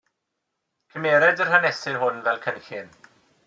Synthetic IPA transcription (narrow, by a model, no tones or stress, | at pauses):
kʰəmeɾɛd͡ʒər̥hanɛsɪnɦʊnvɛlkʰənxɪn